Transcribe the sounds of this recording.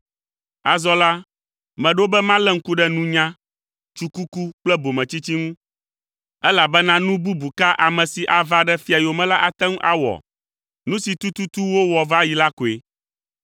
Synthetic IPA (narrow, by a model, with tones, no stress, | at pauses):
a˨zɔ˦la˦ | mɛ̃˨ɖo˦bɛ˦mã˦lɛ˦ŋ̩˦ku˦ɖɛ˦nũ˦ɲã˦ | t͡ʃu˦ku˦ku˦k͡plɛ˦bo˨mɛ̃˨t͡ɕi˦t͡ɕi˦ŋũ˦ | ɛ˦la˨bɛ˦nã˦nũ˦bu˦bu˨ka˦ʔa˨mɛ̃˨si˨ʔa˨va˦ɖɛ˦fi˦a˨jo˨mɛ̃˦la˦ʔa˨t̪ɛ̃˦ŋũ˦ʔa˦wɔ̰˨ | nũ˦si˨t̪u˦t̪u˦t̪u˦wo˦wɔ˨va˦ji˨la˦ko˨e˨